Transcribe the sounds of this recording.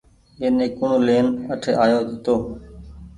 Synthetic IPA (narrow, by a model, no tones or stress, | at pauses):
eːnẽːkʊɳoːleːnəʈʰeːʔaːjoːt̪oː